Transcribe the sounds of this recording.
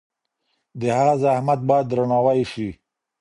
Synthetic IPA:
d̪əhaɣazahmat̪̚bɑjad̪ːɾanɑwajiʃi

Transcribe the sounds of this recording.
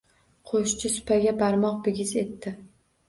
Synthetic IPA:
qʰoʃt͡ʃʰɪsʊ̥pʰaɡʲabaɾmɒq̚bɪɡʲɪzet̪ːɪ

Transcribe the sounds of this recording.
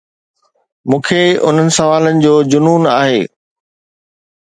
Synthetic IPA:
mũːkʰeʊ̰n̤ənɪ̆sɐʋaːlənɪ̆d͡ʑoːd͡ʑʊnuːnaːɦeː

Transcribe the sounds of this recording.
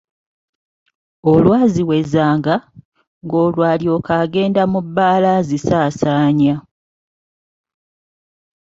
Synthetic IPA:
olwaːziwe̞zaːŋɡa | ŋɡo̞ːlwaːljo̞kaːɡe̞ːndamubːaːlazisaːsaːɲa

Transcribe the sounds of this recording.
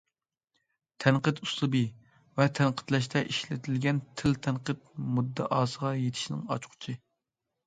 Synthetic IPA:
t̪ʰɛnqət̪uslˠɨbɨ | vɛt̪ʰɛnqʰə̥t̪lɛʃ̬t̪ʰɛʔiʃlɪt̪ʰɪlɡʲɛnt̪ʰɪlt̪ʰɛnqət̪̚mud̪ːɛʔɑːsəʁɑjet̪ʰɪ̥ʃnɪ̰ŋɑ̰t͡ʃqʰʊ̥t͡ʃʰɪ

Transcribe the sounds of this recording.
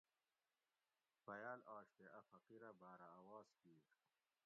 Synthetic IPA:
pɐjaːlaːɕt̪eʔɐfɐqiɾɐbaːɾaːwaːskiːɾ

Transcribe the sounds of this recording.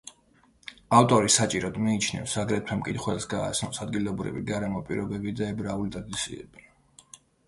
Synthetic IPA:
aft̪ʼɔɾisat͡ʃʼiɾɔd̪miːt͡ʃʰnɛ̰fsaɡɾɛt̪ʰwɛmkʼit̪ʰχwɛlsɡa̰ːt̪sʰnɔsad̪ɡilˠɔbɾḭvḭɡaɾɛmɔpʼiɾɔbɛbid̪aɛbɾaulit̪ʼad̪isḭɛ̰b̥i

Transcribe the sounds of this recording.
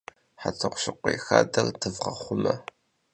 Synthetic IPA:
ħatʰɨqʷɕɪqʷexaːdɐrdɨvʁɐχʷʊmɐ

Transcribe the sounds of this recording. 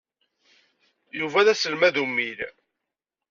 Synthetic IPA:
juvæðæsəlmæðumːil

